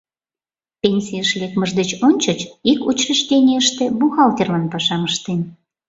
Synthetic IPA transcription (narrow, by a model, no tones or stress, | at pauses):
penʲsʲijəʃlekməʒd̪et͡ɕonʲt͡ɕət͡ɕikut͡ɕrəʃt̪ʲenʲeəʃt̪ebuxɑlt̪ʲerlɑnpɑʃɑməʃt̪en